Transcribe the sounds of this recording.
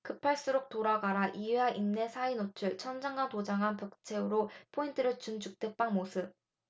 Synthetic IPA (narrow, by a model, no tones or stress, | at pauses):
kɯpʰaɭs͈ɯɾok̚t͈oɾaɡaɾaʔieɦaʔimne̞sʰainot͡ɕʰɯɭt͡ɕʰʌnd͡ʑaŋɡatod͡ʑaŋɦanpʌk̚t͡ɕʰe̞ɯɾopʰointʰɯɾɯɭt͡ɕund͡ʑuk̚t͈we̞k̚p͈aŋmosʰɯp̚